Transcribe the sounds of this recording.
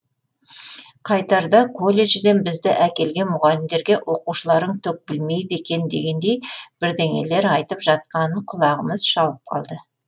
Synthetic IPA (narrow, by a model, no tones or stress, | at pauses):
qʰɑjt̪ɑɾd̪ɑkʰo̞lʲːe̞ʒɪd̪e̞nbɪzd̪ɪʔækʲe̞lɡʲe̞nmʊʁɑlɪmd̪e̞ɾɡʲe̞ʔwʔo̞quʃəlˠɑɾəɴt̪ʰɵk̚bɪlme̞jd̪e̞kʲe̞nd̪e̞̰ɡʲe̞nd̪e̞jb̥ɪɾd̪e̞ŋe̞̰le̞ɾɑjt̪əpʒɑt̪̚qɑnəɴqʰʊlˠɑʁəməz̥ʃɑlˠəp̚qʰɑ̰lˠd̪ə